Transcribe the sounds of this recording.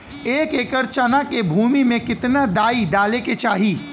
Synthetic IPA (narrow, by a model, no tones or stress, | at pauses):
eːkeːkəɾt͡ʃanakebʱuːmimẽkɪt̪nad̪aːid̪aːleket͡ʃaːɦiː